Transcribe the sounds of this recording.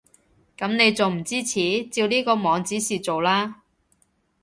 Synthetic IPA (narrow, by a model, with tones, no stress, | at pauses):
kɐ˨˥mne˨˧jt͡so˨wm̩˨˩t͡siː˥t͡sʰiː˨˥t͡siː˧wliː˥kɔː˧mɔː˨˧ŋt͡siː˨˥siː˨t͡so˨wlaː˥